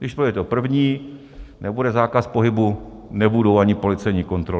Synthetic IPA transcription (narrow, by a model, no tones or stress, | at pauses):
dɪʃspojɛt̪ɛopr̩vɲiː | nʔɛbudɛzaːkaspo̞ɦɪbu | nɛbudo̞waɲɪpo̞lɪt͡sɛjɲiːko̞nt̪ɾo